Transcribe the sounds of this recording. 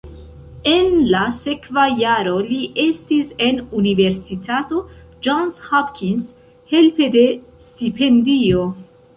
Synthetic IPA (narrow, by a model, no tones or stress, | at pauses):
e̞nlase̞kvajaɾo̞liʔe̞stise̞nunive̞ɾsitato̞ | d͡ʒanshapkins | he̞lpe̞de̞stipe̞ndio̞